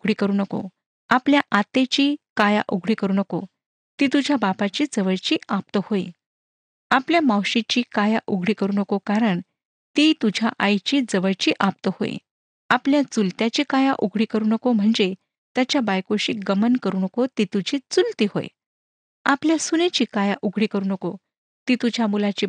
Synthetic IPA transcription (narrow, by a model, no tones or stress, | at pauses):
ɡʱɽiːkəɾuːnəko̰ | apljaʔat̪et͡ɕiːkaja̰ʔuɡʱɽiːkəɾuːnəko̰ | t̪iːt̪ud͡ʑʱjabapat͡ɕiːd͡zəʋəɭt͡ɕiːap̚t̪əhoḭ | apljamawɕit͡ɕiːkajaʔuɡʱɽiːkəɾuːnəkokaɾəɳ | t̪it̪ud͡ʑʱaʔajt͡ɕiːd͡zəʋəɭt͡ɕiːʔap̚t̪əho̰ḭ | apljat͡sult̪jat͡ɕiːkajaʔuɡʱɽiːkəɾuːnəkom̤əɳd͡ze | t̪jat͡ɕjabajkoɕiːɡəmənkəɾuːnəkot̪it̪ud͡ʑʱiːt͡sult̪iːho̰ḛ | apljasunet͡ɕiːkajaʔuɡʱɽiːkəɾuːnəko | t̪iːt̪ud͡ʑʱjamulat͡ɕiː